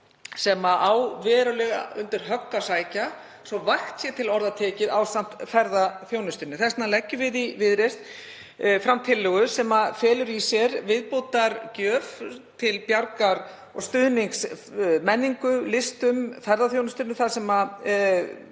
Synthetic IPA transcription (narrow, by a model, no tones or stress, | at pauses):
sɛmaʔawvɛːɾʏlɛɣa̰ʏnt̪ɪɾ̥ɦœkːasaːjca | sɔvaxt̪sjɛt̪ʰɪlɔɾðat̪ʰɛːcɪðawst̪an̥t̪fɛɾðaθjownʏst̪ɪɾnʏθɛstnalɛcːʏvɪðivɪðɾest̪ | fɾamt̪ʰɪlːʏɣʏsɛmafɛːlʏɾisjɛɾvɪðpoːt̪aɾcœːft̪ʰɪlpjaɾkaɾ | ɔ̰ɣst̪ʏðniŋksmɛnːiŋkʏlɪst̪ʏmfɛɾðaθjownʏst̪ʏɾnʏθaðsɛma